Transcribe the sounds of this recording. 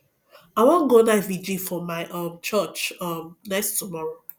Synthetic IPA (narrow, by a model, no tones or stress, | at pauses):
aɪwɔ̃nɡonaɪvid͡ʒifɔmaɪʔʌ̃mt͡ʃət͡ʃʌmnɛstumɔɹo